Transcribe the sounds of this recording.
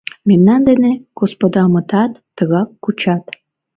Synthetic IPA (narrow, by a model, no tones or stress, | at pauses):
memnɑnd̪eneɡ̥ospod̪ɑmət̪ɑt̪ːəɣɑkːut͡ɕɑt̪